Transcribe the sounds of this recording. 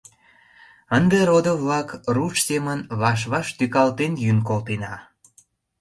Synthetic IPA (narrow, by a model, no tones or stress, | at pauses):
ənd̪eɾod̪ovlɑkrut͡ʃsemənβɑʃ̬βɑʃt̪ykɑlt̪enjynkolt̪enɑ